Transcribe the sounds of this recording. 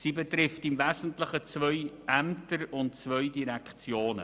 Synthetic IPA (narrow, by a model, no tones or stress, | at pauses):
siːbɛtɾɪftɪmvæzən̩tlɪχət͡svœʏʔæmtəɾʊntt͡svœʏdiɾɛkt͡sjoːnə̰